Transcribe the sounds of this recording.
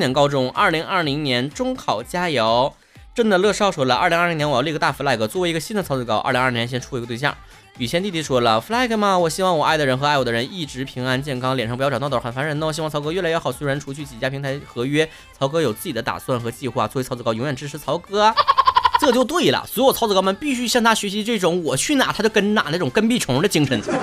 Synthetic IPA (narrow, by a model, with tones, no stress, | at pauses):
njɛ˧˥nkɑ˥ʊʈ͡ʂʊ˥ŋʔɐ̰˞˥˩li˧˥ŋɐ˥˩li˧˥ŋnjɛ˧˥nʈ͡ʂʊ˥ŋkʰɑ˨˩ʊt͡ɕja˥jɑ˧˥ʊ | ʈ͡ʂə˥nd̪ə˨lɤ˥˧ʂɑ˥˩ʊʂwɔ˧˥lə̰˞˧˥˩i˧˥ŋ˥˩li˧˥ŋnjli˥˧˩ə˧t̪a˥˩fu˧˥la˥˩ɪɡɤ˧˩t͡swɔ˥˩we˧˥i˧˥ə˧ɕi˥nd̪ə˨t͡sʰɑ˧˥ʊt͡s̩˥˩kɑ˥ʊa̰˞˥˩li˧ŋ˥˩˧n˧˥ɕjɛ˥nʈ͡ʂʰu˥˩˧t̪we˧t͡ɕjɑ̰˥˩ | y˨˩ɕʰjɛ˥nt̪i˥˩t̪ʰi˥˩ʂwɔ˥lə˨fla˥ɪka˧˥ma˧wɔ˨˩ɕi˥wɑ˥˩ŋwɔ˨˩ʔa˥˩ɪd̪ə˩ɻə˧˥nxɤ˧˥ɪwɔ˨˩d̪ə˧ɻə˧˥ni˥˩ʈ͡ʂɻ̩˧˥pʰi˧˥ŋa˥nt͡ɕjɛ˥˩nkʰɑ˥ŋljɛ˨˩nʂɑ˥ŋpt̪t̪ːə˨˩n˩fa˧˥nɻə˧˥na˥˩wɔ˨˩ɕi˥˩ŋt͡sʰʊkɤ˥ɥɛ˥˩la˧˥ɥɛ˥˧˩ɑ˨˩ʊswe˥ɪɻa˧˥nʈ͡ʂʰu˧˥t͡ɕʰy˥˩t͡ɕi˨˩t͡ɕja˥pʰi˧˥ŋt̪ʰa˧˥ɪxɤ˧˥ɥɛ˥ | t͡sʰɑ˧˥ʊkɤ˥jo˨˩t͡sɹ̩˥˩t͡ɕi˨˩ə˦t̪a̰˨˩swa˥˩nxɤ˧˥t͡ɕi˥˧xwa˥˩t͡swɔ˥˩˧t͡sʰʊt͡s̩ɹkɑ˥ʊjʊ˧˥ŋɥɛ˨˩nʈ͡ʂɻ̩˧˥ʈ͡ʂʰɻ̩˧˥t͡sʰɑ˧˥ʊkɤ˥a˧ʈ͡ʂɤ˥˩ə˧t͡ɕjo˥˧ʊt̪we˥˩ɪlə̰˩swt͡sʰɑ˥t͡sɹ̩˥˧kɑ˥mə˨˧npi˥˩ɕy˥ɕjɑ˥˩ŋt̪ʰa˥ɕɥɛ˧˥ɕi˧˥ʈ͡ʂɤ˥˩ʈ͡ʂʊ˧˥ŋwɔ˨˩t͡ɕʰy˥˩na˨˩t̪ʰa˥t͡ɕo˥˧ʊkə˥nna̰˨˩nə˥˩ʈ͡ʂʊ˨˩ŋkə˥npi˥˩ʈ͡ʂʰʊ˧˥ŋd̪ə˧t͡ɕi˥ŋʈ͡ʂʰə˧˥n